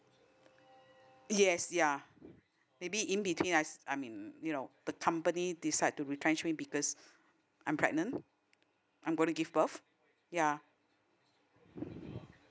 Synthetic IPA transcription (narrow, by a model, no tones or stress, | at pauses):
jɛsja | mebiʔĩnbitʰwĩnasajmĩnjunod̥əkʰãmpənidisaɪd̚tuɹitɹɛ̃nt͡ʃmĩbikɔs | ʔãjmpʰɹɛ̰ɡ̚nə̃n | ʔãɪmɡõnuɡivbəf | ja